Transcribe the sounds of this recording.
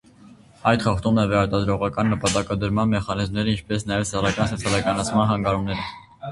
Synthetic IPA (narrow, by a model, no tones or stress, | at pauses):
ɑjt̪χɑχt̪umɛvɛɾɑt̪ɑd̪ɾɔʁɑkɑnːəpɑt̪ɑkɑd̪əɾmɑnmɛχɑnizmnɛɾəint͡ʃʰpɛsnɑjɛvsɛrɑkɑnsɔt͡sʰjɑlɑkɑnɑt͡sʰmɑnɦɑŋɡɑɾumnɛɾə